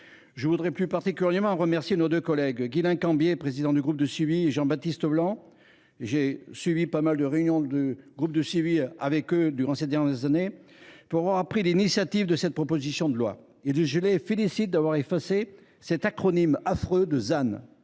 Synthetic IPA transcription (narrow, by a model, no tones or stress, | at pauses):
ʒəvud̪ʁɛplypaʁt̪ikʲyljɛʁmɑ̃ʁəmɛʁsjenod̪økɔlɛɡɡilɛ̃kɑ̃bjepχezid̪ɑ̃d̪yɡʁup̚d̪əsivieʒɑ̃bat̪ist̪əblɑ̃ | eʒesɥivipamald̪əʁeynjɔ̃d̪əɡʁup̚d̪əsiviavɛkød̪yʁɑ̃sed̪ɛʁnjɛʁzanepuʁavwaʁapχilinisjat̪ivd̪əsɛt̪̚pχɔpozisjɔ̃d̪əlwa̰ | eʒəlefelisit̪̚d̪avwaʁefase | sɛt̪akχɔnimafχød̪əzan